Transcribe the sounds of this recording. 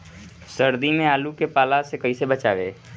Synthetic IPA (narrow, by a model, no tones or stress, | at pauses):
səɾd̪imẽaːlukepaːlasekəisebət͡ʃaːʋḛː